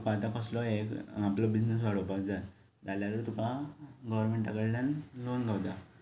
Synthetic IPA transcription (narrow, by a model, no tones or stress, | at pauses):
pat̪ãkɔslɔekaplɔbid͡ʑnes̬ʋaɽopakd͡za | d͡zaljaɾəɾt̪upãɡɔʋəɾmeɳʈaɡəɽljãnlonɡʱawd̪a